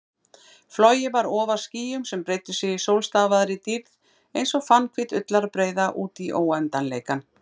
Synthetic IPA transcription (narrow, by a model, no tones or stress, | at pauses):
flɔjɪvaɾɔːvḁsciːjʏmsɛmpɾeːjt̪ʏsɪisowlst̪aːvaðɾɪt̪iɾð | ejnsɔɣfanːkʰvɪt̪ʏt̪laɾpɾeːjðaʔuːt̪iʔoːwɛnt̪anleːjkan